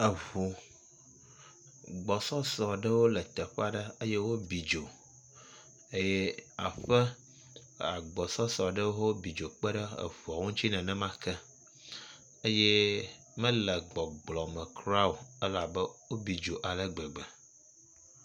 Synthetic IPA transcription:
ə˨vu˨ | ɡ͡bɔ˨sɔ˦sɔ˨ɖə˦wo˦lə˨t̪ə˨ɸɛ˦a˦ɖə˦ə˦jɛ˦wo˦bi˨d͡ʒo˨ | ə˦jɛ˦a̰˨ɸə˦ | a̰˨ɡ͡bɔ˨sɔ˦sɔ˨ɖə˦wo˦wo˦bi˨d͡ʒo˨k͡pə˦ɖə˦ə̰˨vu˨a˨ŋũ˦t͡ɕi˦nɛ̃˨nɛ̃˦mã˦kʰɛ˦ | ə˦je˦ | mə̃˦lə˨ɡ͡bɔ˨ɡ͡blɔ˨mə̃˨kʰɾa˦wo˨ə˦la˨bə˦wo˦bi˨d͡ʒo˨ʔa˨lə˦ɡ͡bɛ˨ɡ͡bɛ˨

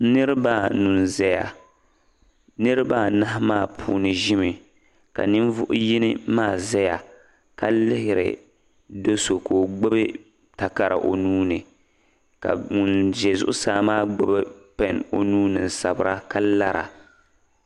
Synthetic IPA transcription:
nɨ˦ɾɨ˦ba˦nu˨nzɛ˦ja̰˨ | nɨ˦ɾɨ˦ba˦˨na˦ɦmaː˦˨pʰuː˦nɨ˨ʒɪ˦mɨ˨ | ka̰˨nɨ˦nvʊ̰˦ʔʊ˦ji˦nɪ˦maː˦˨zɛ˦ja˨ | ka˨lɪ˦hɪ˨ɾɪ̰˨ | do˦so˨koː˨ɡ͡bɛ˦bɨ˦ | ta˨ka˨ɾa̰˨ʔo˨nuː˦nɨ˨ | ka̰˨ŋu˨nd͡ʒɛ˨zʊ˦ʔʊ˦saː˦maː˦˨ɡ͡bɛ˦bɛ˦pɛ˨no˨nuː˦nɨ˨n̩˨sa˨bɾa˦ka˦la˦ɾa̰˨

